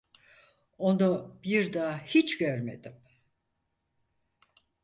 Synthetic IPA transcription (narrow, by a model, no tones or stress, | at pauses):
o̞nubiɾd̪aːhit͡ʃɟøɾme̞̰d̪im